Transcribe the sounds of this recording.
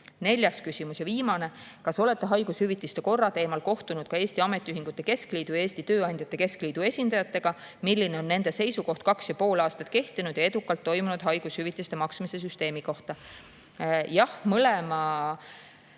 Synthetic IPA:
ne̞lʲjɑskysʲimusjɑviːmɑne̞kɑso̞le̞t̪ːˑe̞ɦɑjɡ̥ushyvit̪ːˑist̪e̞ko̞rːɑt̪e̞ːmɑlko̞ht̪unud̪̥kɑe̞ːsʲt̪iɑme̞t̪ːˑiyɦiŋɡ̥ut̪ːˑe̞ke̞skliːd̪̥ujeːsʲt̪it̪øːɑnʲd̪̥ʲjɑt̪ːe̞ke̞skliːd̪̥ue̞sʲind̪ɑjɑt̪ːˑe̞ɡ̥ɑ | milʲːineo̞nːe̞nd̪̥e̞se̞jsuko̞ht̪̚kɑksjɑpo̞ːlɑːst̪ɑt̪ke̞ht̪inud̪̥jɑe̞d̪̥ukːˑɑlt̪ːo̞jmunud̪̥ɦɑjɡ̥ushyvit̪ˑːist̪e̞mɑksmise̞s̬yst̪e̞ːmiko̞ht̪ɑ | jɑhmɤlemɑ

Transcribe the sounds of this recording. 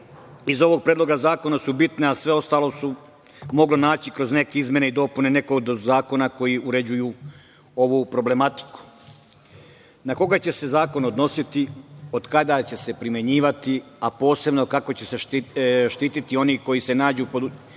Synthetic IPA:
izo̞ʋo̞ɡ̚pɾed̪lo̞ɡazaːko̞nasubit̪neasʋeo̞st̪aːlˠo̞su | mo̞ɡlonaːt͡ɕikɾo̞zne̞keizmʲje̞neid̪o̞pune̞ne̞koɡd̪zaːko̞nako̞jiuɾe̞d͡ʑuju | oʋupɾo̞ble̞mat̪i̥ku̥ | nako̞ɡat͡ɕe̞se̞zaːko̞nod̪no̞sit̪io̞d̪kad̪at͡ɕe̞se̞pɾimje̞ɲiːʋat̪iapo̞ːse̞bno̞kako̞t͡ɕe̞seʃʃt̪iːt̪it̪io̞niko̞jise̞naːd͡ʑupod̪

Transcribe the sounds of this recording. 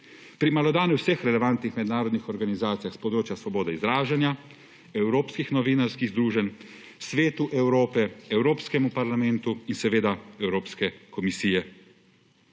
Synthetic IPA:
pɾimalɔd̪aːnjuwsɛxɾɛlɛʋant̪nixmɛd̪naːɾɔd̪nixɔɾɡanizaːt̪sijaxspɔd̪ɾoːt͡ʃjasʋɔboːd̪ɛizɾaːʒanja | ɛwɾoːpskixnɔʋiːnaɾskiɣzd̪ɾuːʒɛn | sʋeːt̪uʔɛwɾoːpɛɛwɾoːpskɛmupaɾlamɛnt̪uinsɛʋeːd̪aɛwɾoːpskɛkɔmisiːjɛ

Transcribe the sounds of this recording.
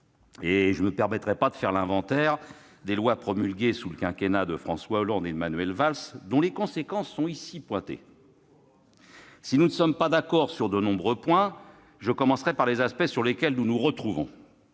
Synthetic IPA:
eʒəməpɛʁmɛt̪χɛpad̪əfɛʁlɛ̃vɑ̃t̪ɛʁ | d̪elwapχɔmylɡʲesuləkʲɛ̃kʲenad̪əfχɑ̃swaolɑ̃d̪emanɥɛlvalsd̪ɔ̃lekɔ̃sekɑ̃sːɔ̃isipwɛ̃t̪ḛ | sinunəsɔmpad̪akɔʁsyʁd̪ənɔ̃bʁøpwɛ̃ | ʒəkɔmɑ̃sχɛpaʁlezaspɛsyʁlekʲɛlnunuʁət̪χuvɔ̰̃

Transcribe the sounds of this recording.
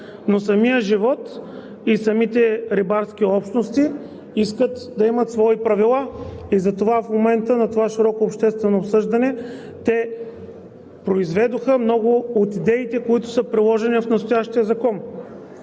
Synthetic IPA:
nosɐmijəʒivɔt̪ | isɐmit̪ɛɾibaɾsk̟ʲiɔpʃt̪nost̪i | iskət̪d̪ɐimət̪svɔipɾɐvilˠaizɐt̪ovafmomɛnt̪ənɐt̪ovaʃiɾɔkoːpʃt̪ɛst̪vɛnoːpsɤʒd̪ɐnɛ | t̪ɛ | pɾoizvɛd̪oxəmnɔɡʊot̪id̪ɛit̪ɛkoit̪ʊ̥səpɾilˠɔʒɛnifnɐst̪ojaʃt̪iəzɐkɔn

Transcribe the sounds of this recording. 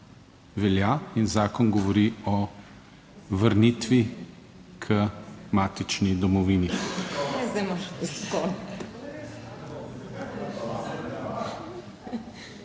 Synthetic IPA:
ʋɛljainzaːkɔnɡɔʋɔɾiɔ | ʋəɾniːt̪ʋi | kʰəmaːt̪it͡ʃnid̪ɔmɔʋiːninɛzd̪ɛmaʃskɔn

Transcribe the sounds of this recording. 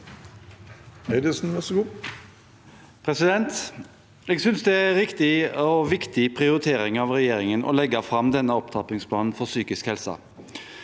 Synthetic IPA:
eɪd̪ɪsn̩ʋɛsəɡuː | pʰɾɛsɪd̪ɛnt̪ | ɛːɡsʏnsd̪ɛæɾɪkt̪ɪɔʋɪkt̪ɪpʰʁɪʊɾɪt̪ʰeːɾɪŋɑʋʁɛjeːɾɪŋənʔɔ̰lɛɡɑfɾɑmd̪ɛnːəɔpt̪ʰɑpɪŋspʰlɑːnn̩fɔʁsyːkɪskhɛlsə̰

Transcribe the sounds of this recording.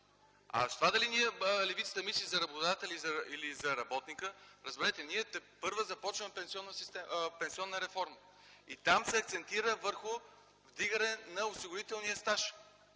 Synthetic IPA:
ɐ̰st̪ovad̪ɐliniɛlɛvit̪sə̥t̪əmislizɐɾɐbod̪at̪əlizɐilizɐɾɐbɔt̪nikəɾəzbɛɾɛt̪ɛniɛt̪ɛpɤɾvəzɐpɔt͡ʃvəmɛpɛnsiɔnːəsist̪ɛpɛnsiɔnːəɾɛfɔɾmə | it̪amsɛɐkt̪sɛnt̪iɾəvəɾxʊ | vd̪iɡənɛnɐosiɡʊɾit̪ɛlˠnijəst̪aʃ

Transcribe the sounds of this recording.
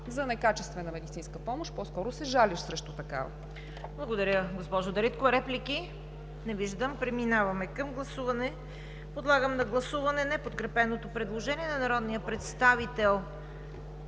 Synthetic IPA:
zɐnɛkat͡ʃɛst̪vɛnəmɛd̪it̪sinskəpɔmoʃpɔskɔɾʊsɛʒaliʃsɾɛʃt̪ot̪ɐka̰vɐ̰ | blˠɐɡod̪ɐɾʲəɡospɔʒod̪ɐɾit̪kovɾɛplʲiki | nɛviʒd̪əmpɾɛminavɐmɛkəmɡlˠɐsuvɐnɛ | pod̪lˠaɡəmnɐɡlˠɐsuvɐnɛnɛpot̪kɾɛpɛnot̪opɾɛd̪lˠoʒɛniɛnɐnɐɾɔd̪nijəpɾɛt̪st̪avit̪ɛlˠ

